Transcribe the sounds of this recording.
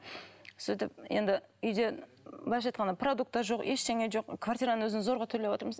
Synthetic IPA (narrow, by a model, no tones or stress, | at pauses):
syjt̪ɪp̚je̞nd̪ɪʏjd̪e̞ | bɑʃɑjt̪qɑnəpʰrod̪uk̚t̪ːɑʒo̞qeʃt̪eŋeʒo̞qkʰvart̪ijɾanənwɵzɪnzo̞ɾʁɑt̪ʰʏɾle̞wot̪əɾməz